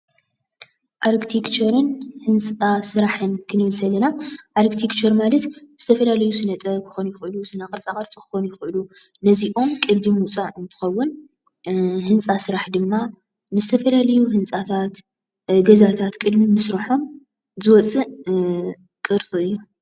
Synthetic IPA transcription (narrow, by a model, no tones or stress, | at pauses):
ʔaɾkt̪ʰikt͡ʃʰɐɾɨnhɨnt͡sʼasɨɾaħɨnkʰɨnɨβɨlt̪ʰɐlɐnaʔaɾkt̪ʰikt͡ʃʰɐɾmalɐt̪ɨzɨ̥t̪ʰɐfɐlalɐjusɨnɐt̪ʼɐkʰɨ̥xonujɪxɨʔɨlusɨnakʼɨɾt͡sʼakʼɐɾt͡sʼɨkɨ̥xonujɪxɨʔɨlu | nɐziʔo̞mkʼɨd̪d̪imut͡sʼaʔɨnt̪ʰɨ̥xɐwːʊn | hɨnt͡sʼasɨɾaħd̪ɨmːa | nɨzɨt̪ʰɐfɐlalɐjuɦɨnt͡sʼat̪ʰat̪ | ɡɐzat̪ʰat̪kʼɨd̪mimɨsɾɐħo̞m | zɨwɔt͡sʼɨ | kʼɨɾt͡sʼiɨjːu